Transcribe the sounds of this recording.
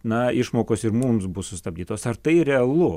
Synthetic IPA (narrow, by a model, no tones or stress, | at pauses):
nɐɪʃmoːkoːsɪɾmumsbʊssʊsʲt̪ɐbʲd̪ʲiːt̪oːsɐrt̪ɐɪɾʲɛɐlˠʊ